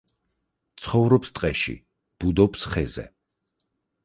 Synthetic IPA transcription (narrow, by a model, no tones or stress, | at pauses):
t̪sʰχɔvɾɔpst̪ʼqʼɛʃḭ | b̥ud̪ɔpsχɛzɛ̰